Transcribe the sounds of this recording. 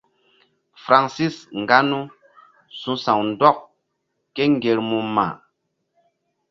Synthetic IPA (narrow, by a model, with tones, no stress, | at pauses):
fɾa˨nsi˦sŋ̩˨ɡa˦nu˦ | sũ˨˦sã˨ŋn̩˨dɔ˦˨k̚ | ke˦ŋ˦ɡe˨ɾmu˨mːa̰˨